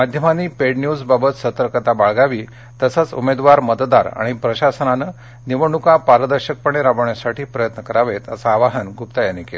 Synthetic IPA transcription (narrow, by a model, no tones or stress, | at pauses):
mad̪ʱjəmaniːpeɽnjud͡zbabət̪sət̪əɾkət̪abaɭɡaʋiː | t̪əsat͡sṵmed̪ʋaɾmət̪d̪a̰ɾa̰ɽ̃ipɾəɕasənanə | niʋəɳukapaɾəd̪əɾɕək̚pəɳ̃eɾaʋəɳjasaʈʰiːpɾəjət̪nəkəɾaʋet̪əsaːʋaɦənɡʱupt̪ajanikel